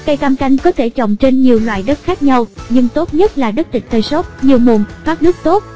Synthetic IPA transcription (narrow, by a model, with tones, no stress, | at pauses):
ka˧jk̪a˧mka˧jŋ̟kɔ˨˦t̪ʰe˧˩t͡ɕɔ̰˧˨wŋ͡mt͡ɕe˧nɲi˨˩əwlwa̰ː˧˨jɗə˦˥t̚xaː˦˥k̚ɲa˧wɲɨ˧ŋt̪o˦˥t̚ɲə˦˥t̚laː˨˩ɗə˦˥t̚t̪ï˨˩ŋ̟t̪ʰəː˨˩jsɔ˦˥t̚ɲi˨˩əwmo˨˩nfaː˦˥p̚nɨ˦˥ək̚t̪o˦˥t̚